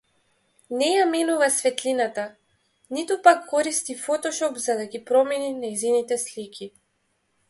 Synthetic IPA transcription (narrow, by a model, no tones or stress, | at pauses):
nɛjaminuvasvɛt̪linat̪a | nit̪upakːɔɾist̪ifɔt̪ɔʃɔpzad̪aɡipɾɔmɛninajzinit̪ɛslikʲʰi